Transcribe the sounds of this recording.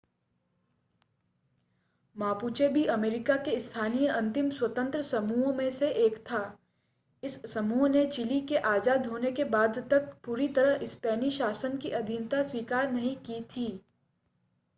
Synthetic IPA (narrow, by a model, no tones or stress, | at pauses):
maːpuːt͡ʃebʱiɐmeːɾɪkakeɪst̪ʰaːnijəɐ̃nt̪ɪmswɐt̪ə̃nt̪ɾəsɐmuːɦõmẽseʔeːkt̪ʰaː | ɪsːɐmuːɦnet͡ʃɪlikeʔaːzaːd̪ɦoːnekebaːd̪t̪ɐk̚puːɾit̪ɐɾəɦɪspɛːniʃaːsənkiʔɐd̪ʱint̪aswiːkaːɾnɐɦĩkit̪ʰiː